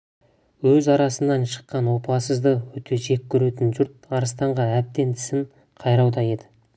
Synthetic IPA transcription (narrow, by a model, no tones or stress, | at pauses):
wɵzɑɾɑsənːɑnʃə̥qːɑnwo̞pɑsəzd̪əwɵt̪ʰe̞ʒe̞kʲʰːɵɾe̞t̪ɪnʒʊɾt̪̚ɑɾəst̪ɑɴʁɑæp̚t̪e̞nt̪ʰɪ̥sɪɴ | qʰɑjɾɑwd̪ɑje̞d̪ɪ